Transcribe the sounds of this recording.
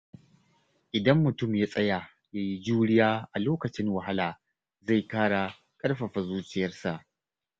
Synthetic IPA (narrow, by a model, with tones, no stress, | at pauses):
ʔɪ˨dɐ˦mːʊ˨tʊ˦˨mjaː˦sʼɐ˦ja˨ | jaː˦ji˦d͡ʒuː˦ɽɪ˦jaː˦ʔa˨loː˦kɐ˨t͡ʃɪ˦ŋwɐ˨ɦa˦laː˨ | za˦˨jkaː˦ɽa˨ | kʼɐ˦rɸa˨ɸa˨zuː˦t͡ʃɪ˦jɐ˦rsa˨ʔ